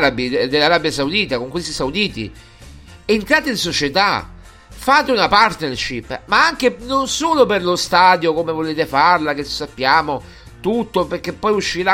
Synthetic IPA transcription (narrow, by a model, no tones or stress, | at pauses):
ɾabid̪elːaɾabjasaud̪iːt̪akoŋkwest̪isaud̪iːt̪ḭ | ent̪ɾaːt̪einsot͡ʃet̪a | faːt̪eunapart̪nerʃipːmaaŋk̟enonsoːloperlost̪aːd̪jokomevoleːt̪efarlak̟esapːjaːmo | t̪ut̪ːoperk̟ːepːɔjuʃːiɾa